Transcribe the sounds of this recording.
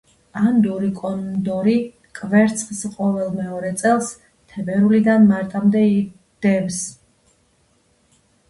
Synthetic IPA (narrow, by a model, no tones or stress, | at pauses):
and̪uɾikʼɔnd̪ɔɾi | kʼvɛɾt̪sʰχsqʼɔvɛlˠmɛɔɾɛt̪sʼɛlˠs | t̪ʰɛbɛɾulid̪anmaɾt̪ʼamd̪ɛi | d̪̥ɛvs